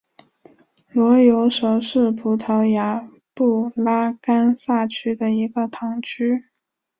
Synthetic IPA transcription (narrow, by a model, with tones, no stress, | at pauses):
lwɔ˧˥jo˧˥ʊʂo˨˧˩ʊʂɻ̩˥˩pʰu˧˥t̪ʰɤ˧˥ʊja˧˥ | pu˥˩la˥ka˥nsa˥˩t͡ɕʰy˥d̪ə˨i˧˥ɡə˧t̪ʰɑ˧˥ŋt͡ɕʰy˥